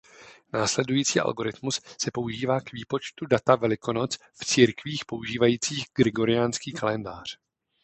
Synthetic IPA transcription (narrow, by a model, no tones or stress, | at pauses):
naːslɛdujiːt͡siːʔa̰lɡo̞ɾɪt̪mussɛpo̞uʒiːvaːkviːpo̞t͡ʃt̪udat̪avɛlɪko̞no̞t͡s | ft͡siːɾkviːxpo̞uʒiːvajiːt͡siːxɡ̥ɾɪɡo̞ɾɪjaːnskiːkalɛndaːr̝̥